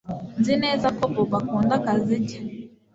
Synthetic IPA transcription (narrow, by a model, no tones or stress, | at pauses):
nzinɛzakɔpɔbakɔndakazid͡ʒɛ̥